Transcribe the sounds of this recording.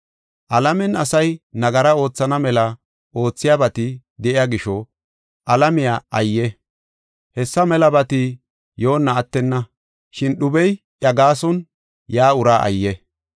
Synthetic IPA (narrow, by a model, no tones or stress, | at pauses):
ʔɐlɐmɛnɐsɐjnɐɡɐɾɐo̞ːt͡sːɐnɐmɛlɐ | ʔo̞ːt͡sːɪjabɐt̪ɪ | d̪ɛʔɪjaɡɪʃɔ | ʔɐlɐmɪjaɐjːɛ | hɛsːɐmɛlɐbɐt̪ɪ | jo̞ːnːɐːt̪ːɛnːɐ | ʃɪnɗʊbɛj | ʔjɐɡaːsɔn | jaːʊɾaːʔɐ̰jːɛ